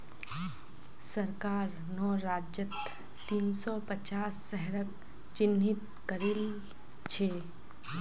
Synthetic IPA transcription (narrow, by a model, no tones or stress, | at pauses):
səɾkaːɾnɔːɾaːd͡ʒjət̪t̪iːnsɔpət͡ʃaːsːɛɦɾəkt͡ʃɪnːit̪kəɾilt͡ʃʰeː